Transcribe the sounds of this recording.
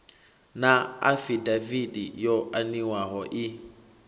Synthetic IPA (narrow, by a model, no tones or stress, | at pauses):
naa̰fidavidijɔʔaniwaɦɔʔi